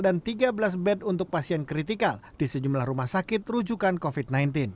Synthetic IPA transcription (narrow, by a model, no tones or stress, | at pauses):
dant̪iɡabəlas̬bɛdunt̪ʊk̚pasiɛnkɾit̪ikald̥isəd͡ʒumlahrumahsakɪt̪rud͡ʒukankofid̚najnt̪ɪn